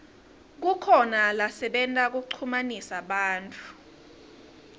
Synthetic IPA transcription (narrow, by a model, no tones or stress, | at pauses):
k̬ukʰɔnalasɛɓɛntʼak̬uk̬uǀʰumanisaɓaːntʼu̥